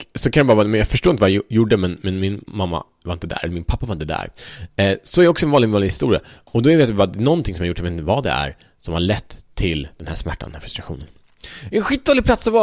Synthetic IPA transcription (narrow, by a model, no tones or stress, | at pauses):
sɔkʰanjabɑɾvːmɛnjɑːɡfœʂʈoːɾɪnt̪əvajjʊɖəmɛnmɛnmɪnmamːa̰ | vaɾɪnt̪əd̪æ̰ːɾɛlɾmɪnpʰapːavaɾɪnt̪əd̪æ̰ːɾ | sɔɛɾɪɔksɔɛnvɑːɪɡnɑːnɪhɪst̪ṵːɾɪa̰ | ɔd̪ɔæɾvɪat̪vɪbɑːɾad̪ɛnɔnt̪ʰɪŋsɔmjaɾjʊʈːjavet̪ɪt̪əvɑd̪ɛ̰æ̰ɾ | sɔmhaɭɛt̪ʰːɪld̪̥ɛnhæʂsmæ̰ʈːa̰nd̪ɛnæːfɾɵ̥st̪ɾaɧṵːnən | ɛnɧit̪̚d̪oːlɪplat̪sɔvɑ